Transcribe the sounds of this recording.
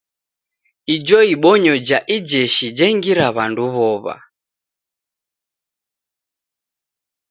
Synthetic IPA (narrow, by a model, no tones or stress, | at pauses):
id͡ʒɔiɓɔɲɔd͡ʒaʔid͡ʒɛʃid͡ʒɛŋɡiɾaβanduβɔβa̰